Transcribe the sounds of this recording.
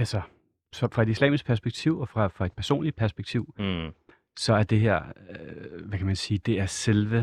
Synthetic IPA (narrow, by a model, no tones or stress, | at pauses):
ælsɒ | sɒ̽fʁɑ̈e̝d̥islɛ̰ːmisɡ̥̚pʰæɐs̬b̥eɡ̥t͡sʰiʊ̰ɒ̽fʁɑ̈fʁɑ̈e̝d̥̚pʰæɐso̝̰ːnli̥pʰæɐsb̥eɡ̥t͡sʰiʊ̰ | sɒ̽æɐd̥e̝ɦeɐ̰ | ʋækʰæmænsiːd̥e̝æɐselʋə